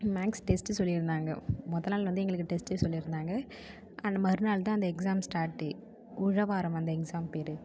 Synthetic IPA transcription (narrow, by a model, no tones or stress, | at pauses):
maːksʈɛsʈsɔlːɪɾɯnd̪aːŋɡɐ̰mɔðɐlnːaːlʋɐnd̪ɯɛŋɡɐɭɯkːɯʈɛsʈesɔlːɪɾɯnd̪aːŋɡɐ | ɐnːɐmɐɾɯnaːɭt̪ãːɐnd̪ɐɛksaːmsʈaːɾʈːɯ | ʊɻɐʋaːɾɐmɐnd̪ɐɛksaːmpeːɾɯ